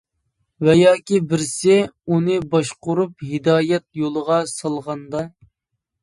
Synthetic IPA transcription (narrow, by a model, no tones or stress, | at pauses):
wɛjɑːkʲibɪɾsɪunɨbɑʃqʊɾuphɪd̪ɑːjɛt̪̚jolˠəʁɑsɑlˠʁɑnd̪ɑ